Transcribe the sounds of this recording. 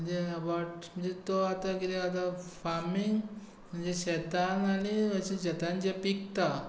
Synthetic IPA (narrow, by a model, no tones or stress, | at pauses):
məɳd͡zeəbaʈm̤əɳd͡zet̪oat̪akit̪eat̪afaɾmiŋɡ | m̤əɳd͡zeɕɛt̪anaɽ̃iəɕẽd͡ʑət̪and͡ʑepik̚t̪a